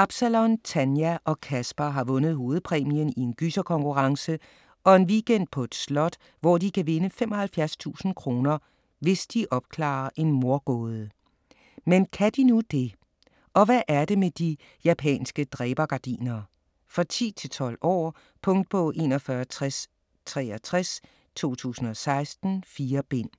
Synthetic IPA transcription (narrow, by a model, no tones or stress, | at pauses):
ɑ̈b̥sælɔnt͡sʰænjæʔɒ̽kʰæsb̥ɐɦɑ̈ʋɔ̽nəð̞̩ˠɦo̝ːð̞̩ˠpʰʁɛːmiənie̝nɡ̥ysɐkʰɒ̽ŋkuʁɑ̈ŋsə | ɒ̽e̝nʋiɡ̥en̰d̥̚pʰɒ̽e̝d̥slɒ̽d̥ | ʋɒd̥ikʰæʋe̝nəfemʔɒ̽hælfjæɐst͡sʰṵːsn̩kʰʁo̝ːnɐ | ʋe̝sd̥iʔɒ̽b̥kʰlɑ̰̈ːɐʔe̝nmo̝ɐɡ̥ɔ̰ːð̞ˠə | menkʰæd̥inud̥e̝ | ʔɒ̽ʋæʔæɐd̥e̝med̥i | jæpʰɛ̰ːnsɡ̥əd̥ʁɛːb̥ɐɡ̥ɑ̈d̥ḭːnɐ | fʁɑ̈t͡sʰḭːt͡sʰe̝lt͡sʰɒ̽l̰ɒ̰ː | pʰɔ̽ŋ̰d̥̚pʰɒ̽ʔe̝̰ːnɒfɶɐt͡sʰʁɛs | t͡sʰʁɛːɐt͡sʰʁɛs | t͡sʰo̝̰ːt͡sʰṵːsn̩ɒ̽sɑ̈ɪsd̥n̩fiːɐb̥e̝n̰